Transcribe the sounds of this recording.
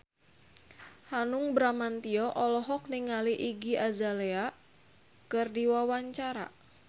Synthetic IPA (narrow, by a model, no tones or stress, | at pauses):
hanʊŋbɾamant̪iɔʔɔlɔɦɔk̚niŋaliʔiɡiazalea | kɨrdiwawaɲt͡ʃaɾa̰